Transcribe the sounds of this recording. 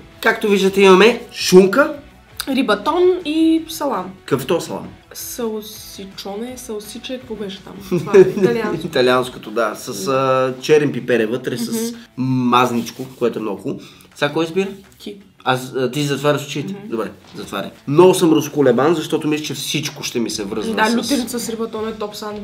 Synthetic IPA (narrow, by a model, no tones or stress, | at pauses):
kakt̪oviʒd̪ət̪ɛimɐmɛʃumkə | ɾibɐt̪ɔnisɐlˠankəft̪ɔsɐlˠa̰n | sɐsit͡ʃɔnɛsɐsit͡ʃɛkkvɔbɛʃɛ̥t̪a̰m | it̪ɐlianskot̪od̪asəsət͡ʃɛɾɛmpipɛɾɛvɤt̪ɾɛsəsmaznit͡ʃkʊkoɛt̪ʊɛmnɔɡʊ | sʲakːɔjizbiɾət̪i | ast̪is̬ʲizɐt̪vaɾəsu̥t͡ʃit̪ɛd̪obɾɛ | zɐt̪va̰ɾʲɐ̰mnɔɡʊsəmɾoskʊlɛbanzɐʃt̪ɔt̪ʊmislʲit͡ʃɛfsit͡ʃkʊʃt̪ɛmisɛvɾɤzd̪alʲut̪ɛɾʲit̪sɐsɾibɐt̪ɔnɛt̪ɔpsɐan